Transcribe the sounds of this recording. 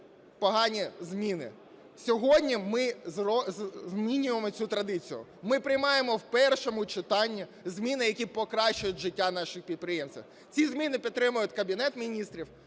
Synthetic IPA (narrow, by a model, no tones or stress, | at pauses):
pɔɦɑnʲizmʲinɪ̰ | sʲɔɦɔdʲnʲimɪzrɔzzmʲinʲʊjemɔt͡sʲut̪ɾɐd̪ɪt͡sʲijʊ̰mɪpɾɪjmɑjemɔwpɛrʃɔmʊt͡ʃɪt̪ɑnʲːizʲmʲinɪjɐkʲipɔkɾɑʃt͡ʃʊjʊtʲʒɪtʲːanɑʃɪxpʲid̪̚pɾɪjemsʲt̪ʲʋḭ | t͡sʲizmʲinɪpʲid̪t̪ːɾɪmʊjʊtʲkɐbʲinɛt̪mʲinʲist̪ɾʲiw